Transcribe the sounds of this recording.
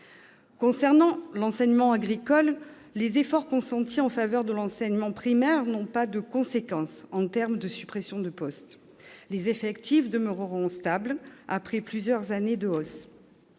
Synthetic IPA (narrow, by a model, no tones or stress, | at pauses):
kɔ̃sɛʁnɑ̃lɑ̃sɛɲmɑ̃aɡʁikɔlː | ezefɔʁkɔ̃sɑ̃t̪iɑ̃favœʁd̪əlɑ̃sɛɲmɑ̃pχimɛʁnɔ̃pad̪əkɔ̃sekɑ̃sɑ̃t̪ɛʁmd̪əsypχesjɔ̃d̪əpɔst̪ | lezefɛkt̪ifd̪əmøʁəʁɔ̃st̪ablapχɛplyzjœʁzaned̪əɔs